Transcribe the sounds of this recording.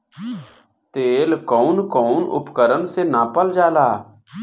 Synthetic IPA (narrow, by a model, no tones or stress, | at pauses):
t̪eːlkɔːnkɔːnʊ̰pkəɾənsenapəld͡ʒaːlaː